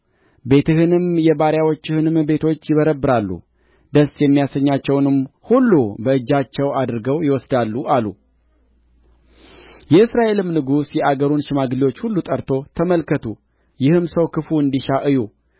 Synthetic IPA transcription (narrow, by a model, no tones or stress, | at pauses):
be̞t̪ʰɨhɨnɨmjɛbaɾjawot͡ʃːɨhɨnɨmbe̞t̪ʰo̞t͡ʃːjɪβəɾəbɨɾalːṵ | d̪əsjɛmːijasəɲːat͡ʃːɛwnɨmhulːubəɨd͡ʒːat͡ʃːɛwad̪ɨɾɨɡəwjɪwɔsd̪alːuʔalṵ | jɛɨsɾaʔe̞lɨmnɨɡusjɛʔaɡəɾunʃɨmaɡɨliwot͡ʃːhulːut̪ʼəɾt̪ʰo̞t̪ʰəməlkət̪ʰu | jɪhɨmsəwkʰɨfuɨnd̪iʃaʔɨju